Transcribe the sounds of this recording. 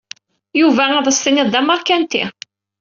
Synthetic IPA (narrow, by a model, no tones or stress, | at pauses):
juvææðˤəst̪iniðd̪æməɾˤkænt̪ḭ